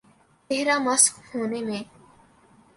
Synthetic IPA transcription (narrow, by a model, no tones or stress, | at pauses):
teɦɾamɐskhoːnemẽː